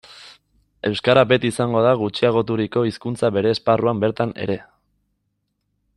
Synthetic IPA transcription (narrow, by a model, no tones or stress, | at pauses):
e̞wskaɾabe̞t̪isaŋɡo̞ð̞aɣut͡ʃiaɣ̞o̞t̪uɾiko̞iskunt͡saβe̞ɾe̞ːsparuambe̞ɾt̪ane̞̰ɾe̞